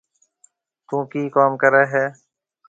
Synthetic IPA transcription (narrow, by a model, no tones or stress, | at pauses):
t̪ũːkiːkaːmkəɾeːɦɛː